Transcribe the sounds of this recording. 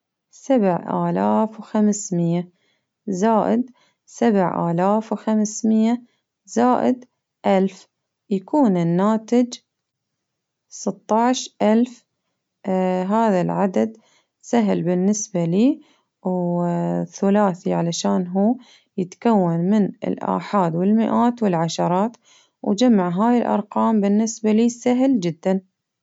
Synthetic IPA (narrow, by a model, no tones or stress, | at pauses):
sabʕʔa̰ːlaːfwxamsmɪjːa | zaːʔɪd̪ | sabʕʔa̰ːlaːfwxamsmɪjːa | zaːʔɪd̪ | ʔalf | jakuːnɪnːaːt̪ɪd͡ʒ | sɨt̪ˤːɑʕʃʔalf | ɦaːðalʕad̪ad̪ | saɦlbɪnːɪsbaliː | w | θʊlaːθiʕalaʃaːnɦuː | jɪt̪kawːanmɪnɪ̰lʔa̰ːħaːd̪wɪlmɪʔaːt̪wɪlʕaʃɑɾˤɑːt̪ | wd͡ʒamːaʕɦaːjɪlʔɑ̰ɾˤqɑːmbɪnːɪsbaliːsaɦld͡ʒɪd̪ːan